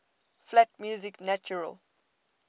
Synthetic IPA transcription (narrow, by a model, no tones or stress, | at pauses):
flætmjuːzɪknæt͡ʃuɹə̰l